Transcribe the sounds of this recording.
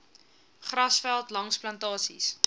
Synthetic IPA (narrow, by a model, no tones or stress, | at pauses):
χrɐsfælˠtlɐŋsplɐntɑːsḭs